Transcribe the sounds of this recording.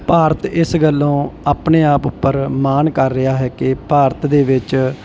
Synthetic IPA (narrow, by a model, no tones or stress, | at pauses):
paːɾət̪ɪsɡəlːõːaːpneːaːpʊpːəɾmaːnkəɾːɪaːɦɛːkɪpaːɾət̪d̪eːʋɪt͡ʃ